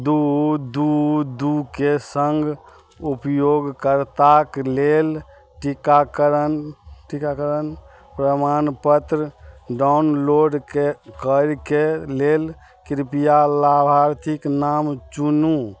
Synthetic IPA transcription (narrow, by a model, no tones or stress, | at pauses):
d̪ud̪ud̪ukesəŋɡ | upjoɡkəɾt̪aklel | ʈikakəɾənʈikakəɾən | pɾəmanpət̪ɾəɖawnloɖkekəɾkelel | kɾipijalabʱaɾt̪ʰiknamt͡ʃunu